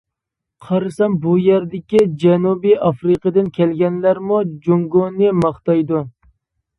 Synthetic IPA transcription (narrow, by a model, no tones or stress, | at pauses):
qʰɑɾɨsɑmbujɛɾd̪ɪkʲid͡ʒɛnubiɑfɾɨqʰəd̪ɨnkʲʰɛlɡʲɛnlæɾmud͡ʒoŋɡonɨmɑχt̪ɑjd̪u